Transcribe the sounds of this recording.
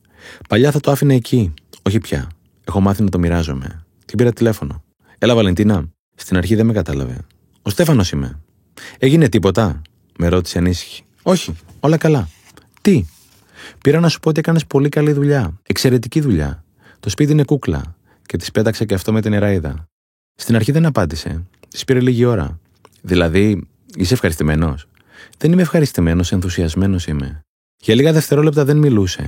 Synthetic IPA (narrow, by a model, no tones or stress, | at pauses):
pɐʎɐθɐt̪oɐfinɐecʰio̞çipçɐ̰ | e̞xo̞mɐθinɐt̪o̞miɾɐzo̞̰me̞̰ | t̪ipiɾɐt̪ile̞fo̞no̞̰ | e̞lɐvɐle̞nt̪inɐ | st̪inɐɾçiðemekɐt̪ɐlɐ̰ve̞̰ | o̞st̪e̞fɐno̞sime̞̰ | e̞ʝine̞t̪ipo̞t̪ɐ | me̞ɾo̞t̪i̥seɐnisi̥çi̥ | o̞çio̞lɐkɐlɐ | t̪i | piɾɐnɐsu̥poot̪iekɐne̞spo̞likɐliðuʎɐekse̞ɾe̞t̪iciðuʎɐ̰ | t̪o̞spit̪̬iine̞kuklɐ̰ | ce̞t̪i̥spe̞t̪ɐkseceɐft̪o̞me̞t̪ineɾɐiðɐ̰ | st̪inɐɾçiðe̞nɐpɐnd̪ise̞̰ | t̪i̥spiɾe̞liʝio̞ɾɐ̰ | ðilɐði | iseːfxɐɾist̪ime̞no̞s | ðe̞nime̞fxɐɾist̪ime̞no̞se̞nθusiɐzme̞no̞sime̞̰ | ʝɐliɣɐðeft̪e̞ɾo̞lept̪ɐðe̞nmiluse̞̰